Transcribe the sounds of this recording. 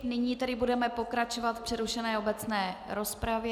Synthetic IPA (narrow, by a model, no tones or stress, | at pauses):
nɪɲiːt̪ɛdɪbudɛmɛpo̞kɾat͡ʃo̞vat̪fpr̥ɛɾuʃɛnɛːobɛt͡snɛːɾo̞spɾavjɛ